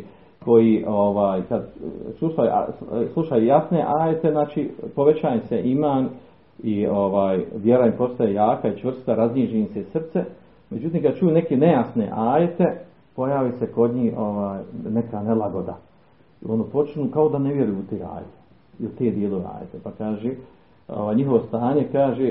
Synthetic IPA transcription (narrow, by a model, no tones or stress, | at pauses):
ko̞jiʔoʋaːjkad̪slˠuʃaja̰slˠuʃajujasne̞ʔaːjet̪eznaːt͡ʃipo̞ʋe̞t͡ɕaːjseʔimaːn | io̞ʋaːjʋjeɾaimpo̞st̪ajejaːkait͡ʃʋr̩st̪aɾazniːd͡ʒeimsesr̩t̪se | me̞d͡ʑut̪iːmkad̪̚t͡ʃujune̞kene̞jasne̞̰ʔaːjet̪e̞ | po̞jaːʋiːse̞ko̞d̪ɲiːhʔo̞ʋaːjne̞kanelaɡo̞d̪a | io̞nd̪opo̞t͡ʃinuːkao̞d̪aneʋje̞ɾujuut̪eːa̰ːjet̪e̥ | iut̪eːd̪jeːloʋea̰ːjḛt̪epakaːʒeː | o̰ʋaːjɲiɦo̞ʋo̞st̪aːɲe̞kaːʒe